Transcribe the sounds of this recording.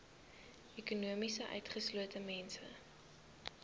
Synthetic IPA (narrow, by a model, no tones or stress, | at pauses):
ʔekunuəmisəʔœ̰ɥtχəsluətəmɛnsə̰